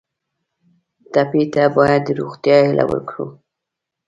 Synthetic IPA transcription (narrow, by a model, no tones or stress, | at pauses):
t̪apit̪abɑjad̪ːəɾoɣt̪jɑhɪlʔa̰wə̰ɾkɽu